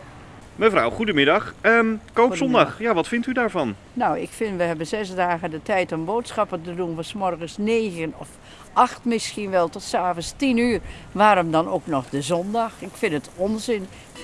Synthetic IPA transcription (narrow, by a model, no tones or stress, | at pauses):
məfra̰wχudəmɪdɑxəkowpsɔndɑxjaʋɑtfɪntydaːɹvɑn | nawɪ̰kfɪnʋəɦɛbənzɛsdaːɣədətɛjtɔmboːtsxɑpətədunʋəsmɔrɣənsneːɣənɔf | ʔaxtmɪskinʋɛlˠtɔtsaːvənstinyːrʋaːɾəmdɔnoːknɔxdəzɔndɑxɪkfɪnətɔnzɪn